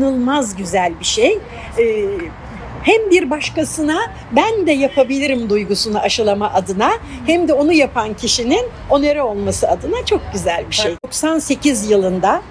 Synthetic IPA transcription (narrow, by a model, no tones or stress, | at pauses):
nɯlˠmazɟyzælʲbiʃejː | hæmbiɾbaʃkasɯna | bænd̪ɛjapʰabilʲiɾimd̪ujɡusunaʔaʃɯlˠamaʔad̪ɯnahɛmd̪ɛo̞nujapʰancʰiʃinin | o̞neɾao̞lˠmasɯad̪ɯnat͡ʃʰo̞k̚ɟyzælʲbiʃejd̪o̞ksanse̞cʰizjɯlˠɯnd̪a